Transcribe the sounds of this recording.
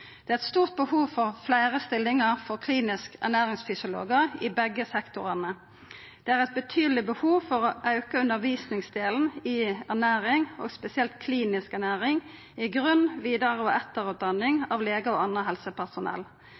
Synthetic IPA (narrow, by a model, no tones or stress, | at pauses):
d̪̥ɛæɛt̪st̪uːʁt̪̚bəhuːʋfɔʁflæɪʁəst̪ɪlːɪŋəʁfɔʁkʰliːnɪskæ̰ʁnæːʁɪŋsfʏsɪʊlo̰ːɡəʁɪbɛɡəsɛkt̪ʊʁənə | d̪̥ɛːæːʁɛɪt̪̚bət̪ʰyːd̪l̩ɪbəhuːʋfɔʁoʔɑʉkəʉnəʁʋiːsnɪŋsd̪eːln̩ɪæʁnæːʁɪŋo̰ːɡspɛsɪɛlt̪kʰliːnɪskæʁnæːʁɪŋ | ɪɡʁʉnʋiːd̪əʁəoːɛt̪əʁʉːt̪̚d̪ɑnɪŋɑːʋleːɡəoːɑnəɦɛlsəpʰæʁsʊnɛ̰l